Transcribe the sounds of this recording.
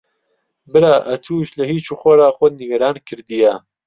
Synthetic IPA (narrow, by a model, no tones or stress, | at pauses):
bɨɾaːʔɐt̪ʰuːʃlɐhiːt͡ʃʰuːxʷɔɾaːxʷɔd̪̚niɡɐɾaːnkʰɨɾd̪ija